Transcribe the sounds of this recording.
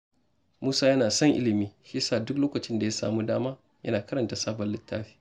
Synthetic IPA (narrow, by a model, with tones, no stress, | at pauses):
muː˦saː˦jɐ˦naː˨sɐ˦ŋʔɪ̰˦lɪ˨miː˦ʃiː˦saː˦˨dʊ˦k̚loː˦kɐ˨t͡ʃɪ˦nda˨ja˦sa̰ː˨muː˦daː˦maː˦ | jɐ̰˦naː˨kɐ˦ɾɐ˨nta˨saː˦bɐ˨lɪ˨tːaː˦ɸi̥ː˦